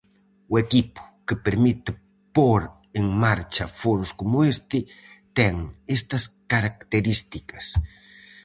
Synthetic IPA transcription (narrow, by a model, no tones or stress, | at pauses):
ʊekipʊ̥kepeɾmit̪ɪ | poɾ | eŋmaɾt͡ʃafoɾʊskomʊest̪ɪt̪eŋest̪askaɾak̚t̪eɾist̪ikas